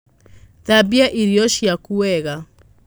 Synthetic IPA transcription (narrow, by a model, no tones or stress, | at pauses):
ðabiaʔiɾiɔʃiakuwɛɣa